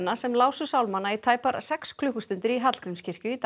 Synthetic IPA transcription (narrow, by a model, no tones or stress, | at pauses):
nːasɛmlaːwsʏsawlmanːait̪ʰaːjpaɾsɛkskʰlʏhkʏ̥st̪ʏnt̪ɪɾiɦat̪l̥kɾɪmscʰɪr̥cʏit̪